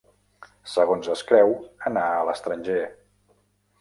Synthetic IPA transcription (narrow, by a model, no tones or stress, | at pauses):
səɣonzəskɾɛwənaələst̪ɾənʲʒe